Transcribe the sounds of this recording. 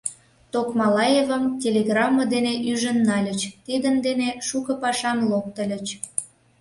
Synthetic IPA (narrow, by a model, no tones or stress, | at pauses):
t̪okmɑlɑjevə̆mtʲelʲeɣrɑmːəd̪eneʔyʒə̆nːɑlʲə̆t͡ɕt̪id̪ənd̪eneʃukə̆pɑʃɑmlok̚t̪ə̆lʲə̆t͡ɕ